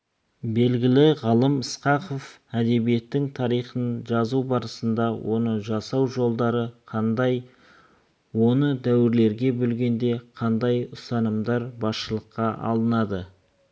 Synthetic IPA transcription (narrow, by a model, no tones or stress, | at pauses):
be̞lɡʲɪlɪʁɑlˠəməsqɑqo̞f | æd̪e̞bije̞t̪ːɪŋt̪ʰɑɾijχənʒɑzubɑɾəsənd̪ɑwʔo̞̰nəʒɑsɑwʒo̞lˠd̪ɑɾəqʰɑnd̪j | wo̞nəd̪æwɪɾle̞ɾɡʲe̞bɵlɡʲe̞nd̪e̞qʰɑnd̪ɑjʊsɑnəmd̪ɑɾbɑsʃəlˠəqːɑʔɑ̰lˠənɑd̪ə